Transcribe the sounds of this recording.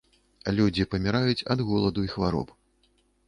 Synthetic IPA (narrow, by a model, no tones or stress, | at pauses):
lʲud͡zʲipɐmʲiɾajut͡sʲɐ̰d̪ɣɔlˠɐd̪uixvaɾɔ̰p